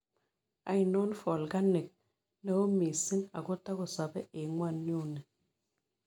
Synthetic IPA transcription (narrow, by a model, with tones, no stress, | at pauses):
a̰˨˦i˨no˦nfɔ˨lɡa˦ne˨k̚ | na˦o˦mi˨si˦na̰˨ɡo˦ta˦ko˨sa˨bɛ˦e˨ŋwa˦˨n˦ɲo˦˨ne˨